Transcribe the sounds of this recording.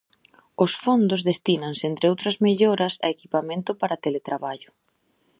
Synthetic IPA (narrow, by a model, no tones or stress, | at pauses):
ʊsfond̪ozðest̪inaŋsent̪ɾeowt̪ɾɐzmeʎoɾɐsɐ̰ekipamẽnt̪ʊpaɾat̪elet̪ɾaβaʎʊ